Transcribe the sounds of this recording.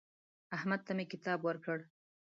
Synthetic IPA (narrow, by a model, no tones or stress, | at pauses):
ahmad̪̚t̪amekɪt̪ɑbwəɾkəɽ